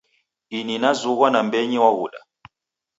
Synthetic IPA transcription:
ininazuɣwanambɛɲiwaɣuɗa̰

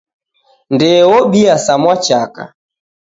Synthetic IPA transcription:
ndɛwɔɓiasamwat͡ʃaka̰

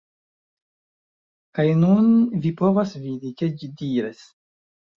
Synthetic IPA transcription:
kajnunvipo̞vasvidike̞d͡ʒidiɾes

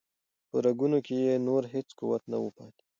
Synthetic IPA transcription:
pəɾaɡunokejenoɾɦet͡skuwat̪nawəpɑ̰t̪i̥

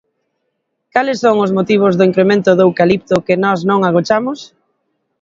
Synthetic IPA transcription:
kalɪsːoŋʊzmot̪iβ̞ʊzðʊiŋkɾemẽnt̪ʊðewkalip̚t̪ʊkɪnɔznõŋaɣot͡ʃamʊs

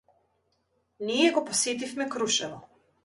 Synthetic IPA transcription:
nijɛɡɔpɔset̪ifmɛkɾuʃɛnɔ

